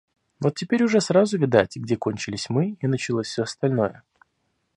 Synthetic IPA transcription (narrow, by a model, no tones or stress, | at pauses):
vo̞t̪ʲːɪpʲeɾʲʊʐɛsɾazʊvʲɪd̪atʲɡdʲeko̞nʲt͡ɕɪlʲɪsʲmɨinət͡ɕɪlˠosʲfsʲoɐst̪ɐlʲno̞jə